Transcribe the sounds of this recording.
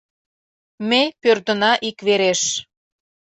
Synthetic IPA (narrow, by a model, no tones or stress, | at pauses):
mepørd̪ə̆nɑʔikβeɾeʃ